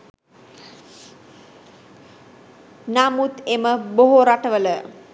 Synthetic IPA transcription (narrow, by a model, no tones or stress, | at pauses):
namut̪eməboɦoɾaʈəʋələ